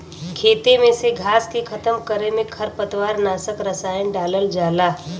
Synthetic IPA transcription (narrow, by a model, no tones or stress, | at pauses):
kʰeːt̪emẽseɡʱaːskikʰɐt̪əmkəɾemẽkʰɐɾpət̪waːɾnaːsəkɾəsaːjənɖaːləld͡ʒaːlaː